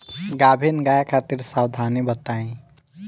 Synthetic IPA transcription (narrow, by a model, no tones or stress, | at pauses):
ɡaːbʱenɡaːjakʰaːt̪iɾsaːwd̪ʱaːnibət̪aːĩ